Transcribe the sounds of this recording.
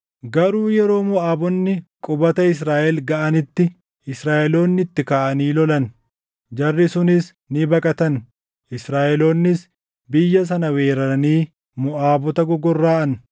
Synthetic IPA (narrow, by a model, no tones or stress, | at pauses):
ɡɐɾuːjɛɾo̞ːmʊʔaːbɔnːɪkʼʊbɐt̪ɐɪs̬ɾaːʔɛlɡɐʔɐnɪt̪ːɪ | ɪsɾaːʔɛlo̞ːnːɪt̪ːɪkaːʔɐniːlɔlɐn | d͡ʒɐrːɪsʊnɪs | nɪbɐkʼɐt̪ɐn | ʔɪsɾaːʔɛlo̞ːnːɪs | bɪjːɐs̬ɐnɐweːɾɐɐniː | mʊʔaːbɔt̪ɐɡɔɡɔrːaːʔɐn